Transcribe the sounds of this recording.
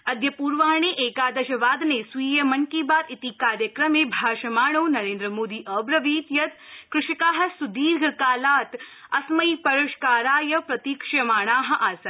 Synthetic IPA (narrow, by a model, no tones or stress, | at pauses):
ɐd̪ʱjɐpuːɾʋaːɳ̃eːʔeːkaːd̪ɐʃɐʋaːd̪nesʋiːjɐmɐŋkiːbaːt̪it̪iːkaːɾjɐkɾɐmeːbʱaːʃɐmaːɳ̃ɐːnɐɾeːnd̪ɾɐmoːd̪iːʔɐːbɾɐʋiːt̪jɐt̪kɾɪʃɐkaːɦɐ̆sud̪iːɾɡʱɐkaːlaːt̪ɐsmɐiːpɐɾɐʃkaːɾaːjɐpɾɐt̪iːkʂjɐmaːɳ̃aːɦɐ̆ʔaːsɐt̪